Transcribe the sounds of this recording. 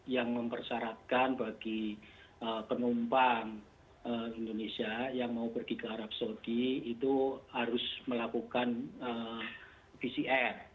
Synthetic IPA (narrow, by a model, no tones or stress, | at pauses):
jaŋməmpərsaɾat̪̚kanbaɡ̥i | əpənumpaŋ | əind̪onesiajaŋmaupərɡ̥ikəaɾap̚sodiit̪uhaɾʊsməlakukanə | fisiʔɛr